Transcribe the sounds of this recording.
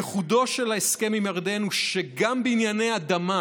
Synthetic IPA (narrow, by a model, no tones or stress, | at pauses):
eχud̪o̞ʃe̞laeske̞mimjaʁd̪enuʃeɡambeinjanejad̪ama